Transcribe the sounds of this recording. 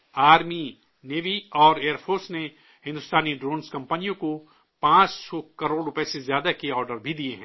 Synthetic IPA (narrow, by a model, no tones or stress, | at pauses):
aːɾmi | neːʋiɔːɾeːəɾpʰoːɾsne | hɪ̃nd̪ʊst̪aːniɖɾoːnskɐ̃mpənijõko | pãːt͡ʃsɔkɐɾoːɽɾʊpesezjaːd̪akeɔːɾɖəɾbʱid̪ieɦɛ̃ː